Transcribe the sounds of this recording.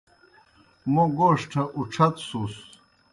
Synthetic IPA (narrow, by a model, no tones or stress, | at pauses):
moɡoːʂʈʰɐʔuʈ͡ʂʰɐt̪sus